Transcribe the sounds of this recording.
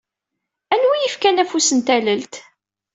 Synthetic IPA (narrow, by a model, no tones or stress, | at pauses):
ænwijifkænæfusənt̪æləlt̪